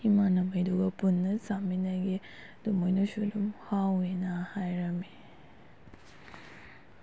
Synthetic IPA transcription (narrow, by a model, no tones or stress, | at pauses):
imanɐmɐjduɡɐpunːɐsaminaɡe | d̥umɔjnusudumhawenahajɾɐme